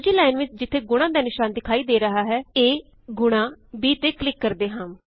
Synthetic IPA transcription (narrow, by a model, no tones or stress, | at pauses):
d͡ʒiːlaːɪnʋɪt͡ʃd͡ʒɪt̪ʰːeːɡʊɽ̃ãːd̪aːnɪʃaːnd̪ɪkʰaːiːd̪eːɾəɦaːɦɛːeː | ɡʊɽ̃ãːbiːt̪eːklɪkːəɾd̪eːɦãːm